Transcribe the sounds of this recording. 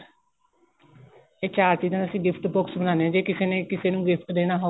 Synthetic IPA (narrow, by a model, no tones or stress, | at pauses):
eːt͡ʃaːɾt͡ʃiːzãːəsĩːɡɪpʰʈbʊksbənãːneɛ̃d͡ʒeːkɪseːnẽːkɪseːnũːɡɪpʰʈd̪eːnaːɦo